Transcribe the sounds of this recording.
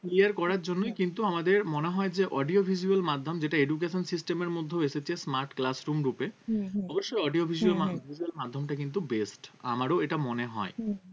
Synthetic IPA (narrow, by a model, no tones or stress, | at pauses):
kliaɾkɔɾaɾd͡ʑonːojkint̪uamad̪eɾmoneɦɔed͡ʑeʔɔɖiobʱid͡ʑuelmad̪ʱːomd͡ʑeʈaed͡ʑukeʃonsisʈemeɾmod̪ʱːoeʃet͡ɕʰesmaɾʈklasɾumɾupeɔboʃːojɔɖiobʱizuelabʱid͡ʑuelmad̪ʱːomʈakint̪̬ubesʈa̰maɾoeʈamoneɦɔ̰e